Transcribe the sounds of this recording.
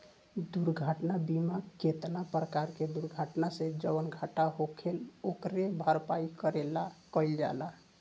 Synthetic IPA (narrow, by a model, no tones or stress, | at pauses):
d̪uɾɡʱəʈnabimaket̪napɾəkaɾked̪uɾɡʱaʈnased͡ʒəʋənɡʱaʈaɦokʰelokɾebʱəɾpaikəɾelakəɪld͡ʒa̰la